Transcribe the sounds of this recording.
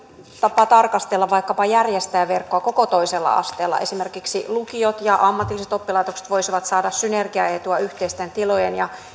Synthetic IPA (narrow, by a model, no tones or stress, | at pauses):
t̪ɑpɑt̪ɑrkɑst̪elːɑʋʋɑikːɑpɑjærjest̪æːʋerkːoɑkokot̪oiselːɑ̰ɑ̰st̪eːlːɑ̰ʔesimerkiksilukiot̪jɑʔɑmːɑt̪ilːˑiset̪opːilɑit̪okse̥t̪ʋoisiʋɑt̪sɑːdɑssynerɡiɑ̰et̪uɑyht̪eist̪ent̪ilojenjɑ